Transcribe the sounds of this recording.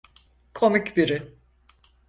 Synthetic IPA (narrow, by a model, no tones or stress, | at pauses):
kʰo̞micbiɾɪ